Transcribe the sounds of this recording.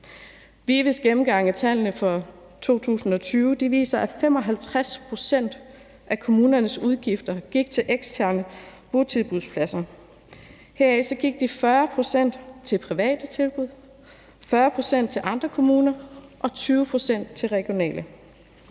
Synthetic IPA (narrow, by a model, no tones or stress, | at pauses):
ʋiʋisɡ̥emm̩ɡ̥ɑ̈ŋ̰ət͡sʰæl̰nəfɒ̽ | t͡sʰo̝̰ːt͡sʰṵːsn̩ɒ̽t͡sʰyːʊd̥iʋḭːsɐʔæfem̰ɒ̽ɦælt͡sʰʁaspʰʁo̝sen̰d̥ | ʔækʰo̝muːnɐnəsuð̞ˠɡ̥ifd̥ɐɡ̥iɡ̥̚t͡sʰe̝lʔeɡ̥sdʰæɐnəb̥o̝t͡sʰiðˠb̥uðˠspʰlæsɐ | heɐɛsɒ̽ɡ̥iɡ̥̚d̥ifɶɐpʰʁo̝sen̰d̥t͡sʰe̝lpʰʁiʋɛ̰ːd̥ət͡sʰe̝lb̥uð̞̰ˠ | fɶɐpʰʁo̝sen̰d̥t͡sʰe̝lʔɑ̈nd̥ʁɐkʰo̝muːnɐʔɒ̽t͡sʰyːʊəpʰʁo̝sen̰d̥̚t͡sʰe̝lʁɛɡ̥io̝nɛ̰ːlʔə